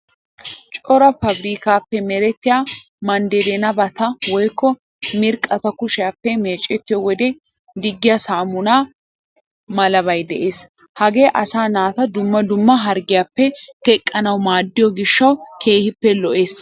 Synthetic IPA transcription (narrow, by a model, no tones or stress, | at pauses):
t͡ʃʼɔɾɐfɐbɾiːkaːpːɛmɛɾɛt̪ːɪjaː | mɐnd̪ɛd̪ɛnɐbɐt̪ɐwɔjkːɔ | mɪɾkʼɐt̪ɐkʊʃɪjaːpːɛme̞ːt͡ʃʼɛt̪ːɪjɔwɔd̪ɛ | d̪ɪɡːɪjasaːmʊnaː | mɐlɐβɐjd̪ɛʔe̞ːs | hɐɡeːʔɐsaːnaːt̪ɐd̪ʊmːɐd̪ʊmːɐɦɐɾɡɪjaːpːɛtk̪ɛkʼːɐnɐwmaːd̪ːɪjɔɡɪʃːɐwkʰeːhɪpːɛlɔʔe̞ːs